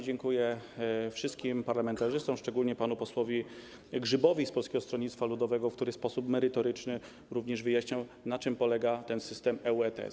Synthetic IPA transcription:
d͡ʑɛŋkujɛfʂɘst̪̚kʲimpaɾlamɛnt̪aʐɘst̪ɔ̃mʂt͡ʂɛɡulɲɛpanupɔswɔvʲi | ɡʐɘbɔvʲispɔlskʲɛɡɔst̪ɾɔɲit̪st̪falud̪ɔvɛɡɔfkt̪uɾɘspɔsupmɛɾɘt̪ɔɾɘt͡ʂnɘ | ɾuvɲɛʐvɘjaɕɲawnat͡ʂɘmpɔlɛɡat̪ɛnsɘst̪ɛmɛuɛt̪ɛ̰

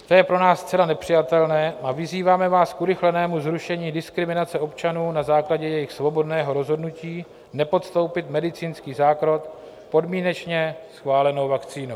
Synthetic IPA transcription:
t̪ojɛpɾo̞naːsːt̪t͡sɛlanɛpr̝̥ɪjat̪ɛlnɛːʔavɪziːvaːmɛvaːskuɾɪxlɛnɛːmuzɾuʃɛɲiːdɪskɾɪmɪnat͡sɛo̞pt͡ʃanuːnazaːklaɟɛjɛjɪxsvo̞bo̞dnɛːɦo̞ɾo̞zɦo̞dnuciː | nɛpo̞t̪st̪o̞wpɪt̪mɛdɪt͡siːnskiːzaːkɾo̞t̪ | po̞dmiːnɛt͡ʃɲɛsxvaːlɛno̞wvakt͡siːno

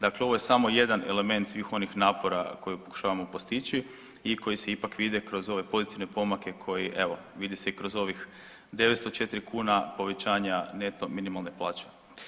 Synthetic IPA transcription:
d̪akleoʋoje̞samo̞je̞d̪anḛle̞me̞nt̪sʋiːxo̞nixnaːpo̞ɾa̰ko̞jupo̞ku̥ʃaːʋamo̞po̞st̪it͡ɕi | iko̞jise̞ipakʋid̪ekɾo̞zo̞ʋe̞po̞zit̪iʋne̞po̞make̞kʰo̞jiʔe̞ʋo̞ʋid̪iseikɾozo̞ʋix | d̪e̞ʋet̪st̪ot͡ʃet̪iɾikʰuːnapo̞ʋe̞t͡ɕaːɲane̞t̪o̞minimalˠneplˠaːt͡ɕe

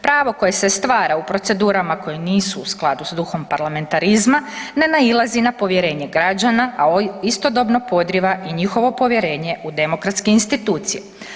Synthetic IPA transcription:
pɾaːʋo̞ko̞je̞se̞st̪ʋaːɾaupɾo̞t̪se̞d̪uːɾamako̞jeniːsuːsklˠad̪usd̪uxo̞mpaɾlame̞nt̪aɾizmane̞nailˠazinapo̞ʋje̞ɾe̞ːɲe̞ɡɾad͡ʑanaʔaist̪o̞d̪o̞bno̞po̞d̪ɾiʋaʔiɲixo̞ʋo̞po̞ʋje̞ɾe̞ːɲe̞ud̪e̞mo̞kɾat̪skeinst̪it̪uːt̪sije

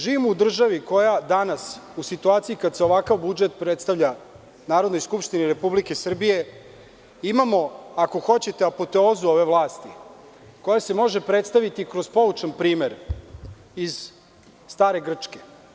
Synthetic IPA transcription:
ʒiːʋimoud̪r̩ʒaʋiko̞jad̪anasusit̪uaːt̪siikad̪seo̞ʋakaʋbud͡ʒet̪̚pɾet̪st̪aʋʎa | naːɾo̞d̪nojskupʃt̪iniɾe̞publike̞sr̩bije̞ | imamo̞ako̞xo̞t͡ɕe̞t̪eapot̪e̞oːzuo̞ʋe̞ʋlˠaːst̪i | ko̞jase̞mo̞ʒe̞pɾe̞t̪st̪aʋit̪ikɾo̞zpo̞ut͡ʂanpɾiːmeɾ | iz̥ | st̪aːɾe̞ɡr̩t͡ʂke̞̥

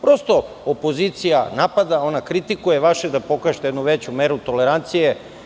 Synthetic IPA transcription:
pɾo̞st̪o̞ | opo̞zit̪sijanapad̪ao̞nakɾit̪ikujeʋaʃed̪apo̞kaʒet̪d̪nuʋet͡ɕumeɾut̪o̞leɾant̪sije

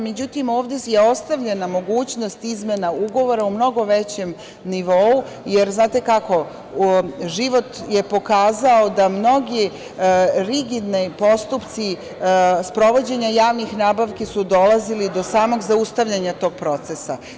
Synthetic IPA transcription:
me̞d͡ʑut̪imo̞ːʋd̪ejeo̞st̪aʋʎenamo̞ɡuːt͡ɕnost̪izmenauɡo̞ʋo̞ɾaumno̞ɡo̞ʋe̞t͡ɕe̞m | niʋo̞u | je̞ɾznaːt̪e̞kako̞ | ʒiʋo̞t̪je̞po̞kaːzao̞d̪amno̞ɡi | ɾiɡid̪nipo̞st̪upt̪si | spɾo̞ʋo̞d͡ʑe̞ɲajaːʋnixnaːbaʋkisud̪o̞lˠazilid̪o̞saːmo̞ɡzaust̪aʋʎaɲat̪o̞ːɡ̚pɾo̞t̪sesa

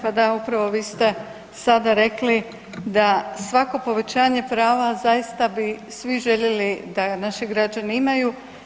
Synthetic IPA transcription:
pad̪aupɾaʋo̞ʋiːst̪e̞ | sad̪aɾe̞kli | d̪asʋako̞po̞ʋe̞t͡ɕaːɲe̞pɾaːʋazajist̪abisʋiʒe̞ʎe̞lid̪anaʃiɡɾad͡ʑaniimaju

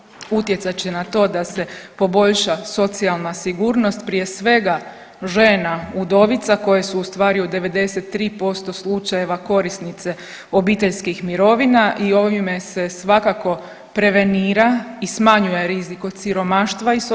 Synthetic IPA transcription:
ut̪je̞t̪sat͡ɕe̞nat̪o̞ːd̪ase̞po̞bo̞ʎʃaso̞t̪sialˠnasiɡuːɾno̞st̪̚pɾije̞sʋe̞ɡa | ʒe̞ːnaud̪o̞ʋit̪sako̞jesuːst̪ʋaːɾiud̪e̞ʋe̞d̪e̞se̞t̪ːɾiːpo̞st̪o̞slˠut͡ʃaje̞ʋako̞ɾisnit̪se̞ | o̞biːt̪e̞ʎskixmiɾo̞ʋinaʔio̞ʋime̞se̞sʋakako̞ | pɾe̞ʋe̞niːɾaismaɲuje̞ɾiziko̞t̪siɾo̞maʃt̪ʋais

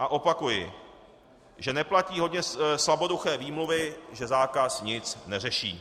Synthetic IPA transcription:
ʔaʔo̞pakujɪ̰ | ʒɛnɛplaciːɦo̞dɲɛslabo̞duxɛːviːmluvɪʒɛzaːkasɲɪt͡snɛr̝ɛʃḭː

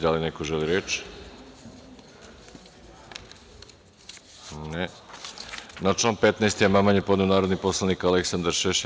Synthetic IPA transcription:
d̪alinekoʒeliɾeːt͡ʃ | ne | nat͡ʃanpet̪naest̪ijemamaɲepo̞d̪neunaːɾo̞d̪nipo̞slˠanikaleksand̪aɾʃeʃ

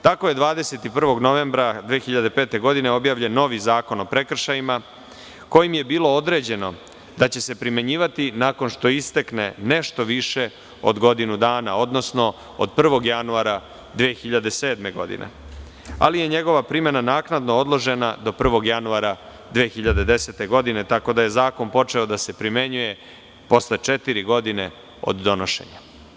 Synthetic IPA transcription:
t̪ako̞je̞d̪ʋaːd̪ese̞t̪ipr̩ʋo̞ɡno̞ʋe̞mbɾad̪ʋeːxiʎad̪e̞peːt̪e̞ɡo̞d̪ineo̞bjaːʋʎe̞nːo̞ʋizaːko̞no̞pɾe̞kr̩ʃajima | ko̞jimje̞biːlˠo̞o̞d̪ɾe̞ːd͡ʑe̞no̞ | d̪at͡ɕe̞se̞pɾime̞ɲiːʋat̪inako̞nʃt̪o̞ist̪eknḛne̞ʃt̪o̞ʋiʃe̞ | o̰d̪ɡo̞d̪inud̪aːna̰o̞d̪no̞sno̞ | o̰d̪̚pr̩ʋo̞ɡjanuaɾa | d̪ʋeːxiʎad̪ese̞ːd̪me̞ɡo̞̰d̪ḭnʔḛ | a̰lije̞ɲe̞ɡo̞ʋapɾime̞nanaːknad̪no̞o̞d̪lˠo̞ʒe̞nad̪o̞pr̩ʋo̞ɡjanuaɾa | d̪ʋeːxiʎad̪e̞d̪e̞set̪eɡo̞d̪ine̞t̪ako̞d̪aje̞zaːko̞npo̞t͡ʂe̞o̞d̪ase̞pɾime̞ɲuje̞ | po̞slet͡ʂe̞t̪iɾiɡo̞d̪ine | o̞̰d̪ːo̞noʃḛɲa

